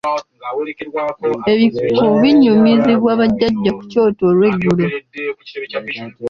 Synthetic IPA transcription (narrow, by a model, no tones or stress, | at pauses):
e̞βikoβiɲːumiziβwaːβaɟːaɟːaku̥co̞ːtolwe̞ɡːulo